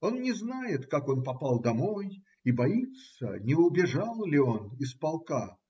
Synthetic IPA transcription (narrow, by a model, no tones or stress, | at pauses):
o̞nnʲɪznajɪt̪kako̞npɐpalˠd̪ɐmo̞j | ibɐit̪ssə̰nʲɪʊbʲɪʐalˠlʲɪo̞nɪspɐlˠka